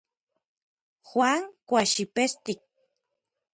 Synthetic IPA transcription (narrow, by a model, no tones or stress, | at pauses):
xwaŋkʷaʃipest̪ik̚